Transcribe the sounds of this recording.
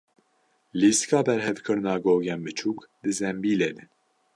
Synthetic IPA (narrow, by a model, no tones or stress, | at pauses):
liskʰɑːbɛɾhɛvkʰɨɾɨnɑːɡoːɡɛnbɨt͡ʃʰuːkd̪ɨzɛmbiːlɛd̪ɛ